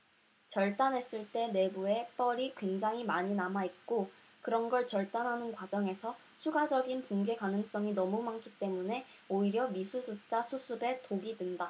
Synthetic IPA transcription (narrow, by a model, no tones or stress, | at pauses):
t͡ɕʌɭt͈anɦe̞s͈ɯɭt͈e̞ne̞bue̞p͈ʌɾikwe̞ŋd͡ʑaŋɦimaɲinamait̚k͈o | kɯɾʌnɡʌɭt͡ɕʌɭt͈anɦanɯnkwad͡ʑʌŋe̞sʰʌ | t͡ɕʰuɡad͡ʑʌɡinpuŋɡe̞kanɯŋs͈ʌŋinʌmumaŋkʰit͈e̞mune̞ | oiɾjʌmisʰusʰut͡ɕ͈asʰusʰube̞toɡidwenda